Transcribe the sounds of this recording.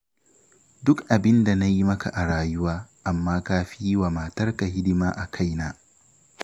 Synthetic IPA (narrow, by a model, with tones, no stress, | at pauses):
dʊ˦kʔa˨bɪ˦nda˨na˦ji˦mɐ˦ka̰˨ʔa˨ɽaː˦jʊ˦waː˦ʔa˨mːaː˦kaː˦ɸiː˦waː˨maː˨tɐ˦rka˨hɪ˦dɪ˦maː˦ʔa˨kʰa˦jnaː˦